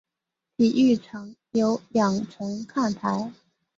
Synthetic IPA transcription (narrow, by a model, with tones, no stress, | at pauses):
t̪ʰi˨˩y˥˩ʈ͡ʂʰɤ˧˥ŋjo˧˥ʊljɑ˨˩ŋʈ͡ʂʰɤ˧˥ŋkʰa˥˩nt̪ʰa˧˥ɪ